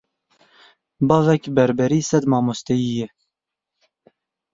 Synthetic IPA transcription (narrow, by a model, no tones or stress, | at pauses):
bɑːvɛkbɛɾbɛɾiːsɛd̪mɑːmost̪ɛjijɛ